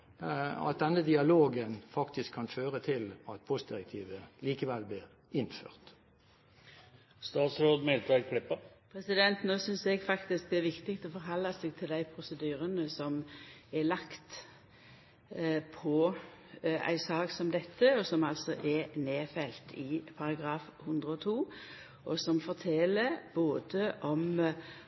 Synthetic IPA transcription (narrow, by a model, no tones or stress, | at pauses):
ɑ̰t̪̚d̪ɛnːəd̪ɪɑloːɡənfɑkt̪ɪskʰːɑnføːʁət̪ʰɪlɑt̪̚pʰɔst̪̚d̪ɪɾɛk̚t̪ʰiːʋəliːkəʋɛlblɪːʁ | ɪnfø̰ːʁt̪ | st̪ɑːt̪sɾoːd̪mɛlt̪ʰɑkʰlɪpːɑpʰɾɛsɪd̪ɛnt̪noːsʏnsɛɡfɑkt̪ɪsk̚d̪ɛæɾʋɪkt̪ɪkt̪ɔfɔɾɦɑlːɑseːɡ̚t̪ʰɪld̪æɪpʰɾʊsəd̪yːɾənəsɔmɛlɑkt̪ | pʰɔ | æ̰ɪsɑːksɔmd̪ɛt̪ʰːəɔsɔmɑlsɔʔɛneːfɛlt̪ʰɪpʰɑʁɑɡɾɑːfhʉnd̪ʁəɔt̪ʰuː | ʔɔsɔmfɔʁt̪ʰɛləɾb̥oːd̪əʔɔm